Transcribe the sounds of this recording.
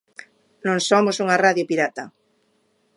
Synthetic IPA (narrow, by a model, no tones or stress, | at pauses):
nõŋsomosuŋaraðjopiɾat̪a